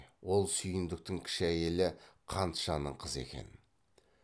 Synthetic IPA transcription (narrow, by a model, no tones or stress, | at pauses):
wo̞lˠsʏjɪnd̪ɪk̚t̪ɪŋkʲʰɪ̥ʃæje̞lɪqʰɑnt̪ʃɑnəɴqʰəze̞̰kʲe̞̰n